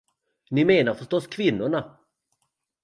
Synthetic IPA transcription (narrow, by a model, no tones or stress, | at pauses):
nɪmeːnaɾfœʂʈɔskʰvɪnːʊɳa